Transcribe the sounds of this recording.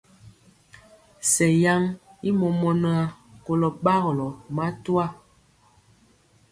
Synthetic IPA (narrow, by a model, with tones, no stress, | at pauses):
sɛ˨ja˦ŋi˦mɔ˨mɔ˨nə˦a˨ko˨lɔ˨ɓa˦ɣlɔ˨ma˦tu˦a˦˨